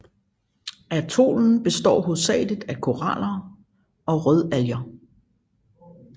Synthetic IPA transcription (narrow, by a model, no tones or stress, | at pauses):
æt͡sʰo̝̰ːln̩b̥e̝sd̥ɒ̰ːɦoðˠsɛ̰ːɪləd̥ˠækʰo̝ʁɑlɐ | ɒ̽ʁœð̞ˠæljɐ